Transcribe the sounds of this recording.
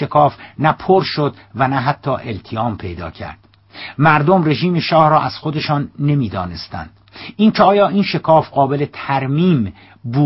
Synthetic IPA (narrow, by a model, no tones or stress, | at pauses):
ekʰɒːfnæpʰoɾʃod̪ | vænæɦæt̪ʰːɒːʔe̞lt̪ʰiɒːmpʰe̞jd̪ɒ̰ːcʰæ̰ɾd̪̥ | mæɾd̪o̞mre̞ʒiːme̞ʃɒːhɾɒːʔæz̥xod̪e̞ʃɒːnːe̞miːd̪ɒ̰ːne̞st̪æ̰nd̪̥ʔiːncʰeɒːjɒːʔiːnʃe̞kʰɒːfɢɒːbele̞t̪ʰæɾmiːm | buː